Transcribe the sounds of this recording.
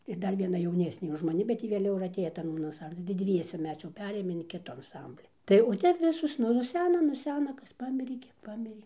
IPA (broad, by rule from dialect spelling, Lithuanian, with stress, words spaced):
ɪr ˈdɐr ʋʲiɛˈnɐ jɛʊˈnʲæːsʲnʲeː ʊʃ mɐˈnʲɪ bʲɛt ˈjɪ ʋʲeːˈlʲɛʊ ɪr ɐtʲˈeːjoː ˈtɐn ɐnˈsɐmʲbʲlʲɪn tɐɪ ˈdʲʋʲiɛsʲɛ ˈmʲɛs jɛʊ ˈpʲæːrʲeːjoːm ɪn ˈkʲɪtʊ ɐnˈsɐmʲbʲlʲɪ ˈtɐɪ oː ˈtʲɛp ˈʋʲɪsoːs nʊ nʊˈsʲæːnɐ nʊˈsʲæːnɐ ˈkɐs ˈpɑːmʲɪrʲeː ˈkʲiɛk ˈpɑːmʲɪrʲeː